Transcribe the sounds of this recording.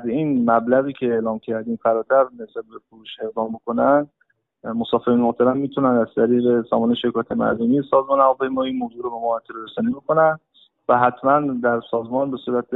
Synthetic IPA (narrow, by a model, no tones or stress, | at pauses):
zinmæblæɣiːcʰe̞elɒːmcʰæɾd̪iːmfæɾɒːt̪ʰæɾnesbæt̪̚be̞foɾuːʃe̞ɣd̪ɒːmbo̞ko̞nænd̪ | mosɒːfeɾinmoht̪ʰæɾæmːiːt̪ʰunænd̪æzt̪ʰæɾiːɣe̞sɒ̰ːmɒːneʃe̞kʰɒːjæt̪ʰemæ̰ɾd̪omijesɒːzmɒːnævɒːpʰejmɒːiːmoːzuːɾobe̞mɒt̪ʰːeɾoɾesɒːnibekʰo̞næn | væɦæt̪ʰmænd̪æɾsɒːzmɒːnbe̞suːɾæt̪ʰ